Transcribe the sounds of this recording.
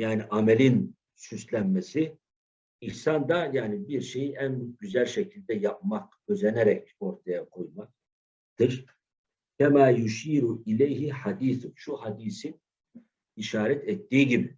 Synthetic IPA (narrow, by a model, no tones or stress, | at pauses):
jaːniʔamɛlʲin | syslʲænmesi | ihsand̪ajaːnibiɾʃe̞jiʔænɟyzælʲʃecʰilʲd̪ɛjap̚mak̚ | øzɛnɛɾɛc̚o̞ɾt̪ʰajakʰo̞jmak̚ | t̪ɯɾ | cʰɛmaːjuʃiːɾuilejɦiħad̪iːθuʃuhad̪iːsin | iʃaːɾɛt̪ʰɛt̪ːiːiɟibi